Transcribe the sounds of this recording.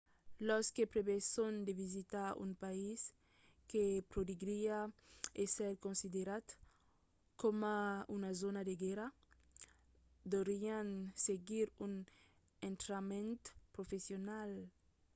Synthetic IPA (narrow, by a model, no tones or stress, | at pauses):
lɔskepɾeβesond̪evizit̪aṵmpais | kepɾod̪iɡɾiaesɛɾkõnsid̪eɾat̪ | komaunazonad̪eɡɛɾa | d̪oɾianseɡiɾun | ẽnt̪ɾamẽnt̪pɾofesjonal